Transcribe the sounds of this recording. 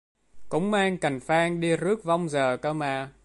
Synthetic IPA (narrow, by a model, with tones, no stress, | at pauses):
kʊ̰˧˥ŋ͡mmaː˧ŋka˨˩jŋ̟faː˧ŋɗi˧zɨ˦˥ək̚va˧wŋ͡mzəː˨˩kəː˧maː˧˩